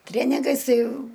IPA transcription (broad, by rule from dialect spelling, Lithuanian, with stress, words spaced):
ˈtʲrʲeːnʲɪɡɐɪs ˈtɐɪ